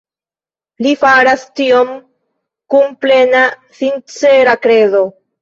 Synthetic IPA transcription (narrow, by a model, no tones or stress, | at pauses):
lifaɾastio̞m | kunple̞nasint͡se̞ɾakɾe̞zo̞